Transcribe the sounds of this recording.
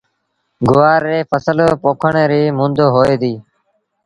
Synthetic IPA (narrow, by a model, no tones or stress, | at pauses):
ɡʊʋaːɾːeːfəsəlːpoːkʰəɳeːɾiːmũnd̪oːɦoːeːd̪iː